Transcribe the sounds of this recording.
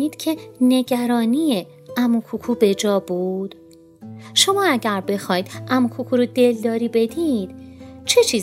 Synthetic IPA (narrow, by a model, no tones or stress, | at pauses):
iːd̪̥cʰe̞ne̞ɟæɾɒːniːje | æmukʰukʰuːbe̞d͡ʒɒːbuːd̪̥ | ʃo̞mɒːæɟæɾbe̞xɒːjd̪ʔæmukʰukʰuːɾod̪e̞ld̪ɒːɾiːbe̞d̪iːd̪̥t͡ʃʰe̞t͡ʃʰiːz